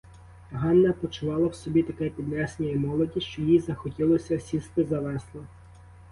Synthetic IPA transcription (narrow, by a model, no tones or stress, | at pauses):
ɦɑnːɐpɔt͡ʃʊʋɑlˠɐwsɔbʲit̪ɐkɛpʲid̪nɛsenʲɐimɔlˠɔdʲiʃt͡ʃɔjizɐxɔtʲilˠɔsʲɐsʲist̪ɪzɐʋɛslˠɔ